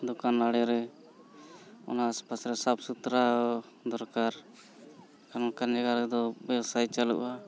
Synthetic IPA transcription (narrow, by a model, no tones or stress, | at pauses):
d̪ɔkanaɽɛɾɛ | ɔ̰naːspasɾɛsabsut̪ɾa | d̪ɔɾkaɾ | kanɔkand͡ʒaɡaɾɛd̪ɔbɛwsajt͡ʃalṵʔa